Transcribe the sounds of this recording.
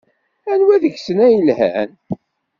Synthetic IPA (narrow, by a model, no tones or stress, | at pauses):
ænwæðəʝsənæjəlhæ̰n